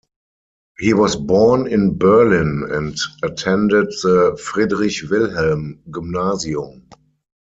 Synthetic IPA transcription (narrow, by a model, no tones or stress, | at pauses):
hiːwɔsbɔːnɪ̃nbɜ˞lɪ̃nɛ̃ntətʰɛ̃ndɪtðəfʁɪdʁɪçvɪlhɛlmɡɪmnaːziʊ̃m